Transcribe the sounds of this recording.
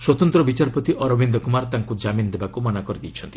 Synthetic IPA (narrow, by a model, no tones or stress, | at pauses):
swɔt̪ɔnt̪ɾɔbit͡ʃaɾpɔt̪iʔɔɾɔbind̪ɔkumaɾt̪aŋkud͡ʒaminɔd̪ebakumɔnakɔɾid̪ijt͡ʃʰɔnt̪i̥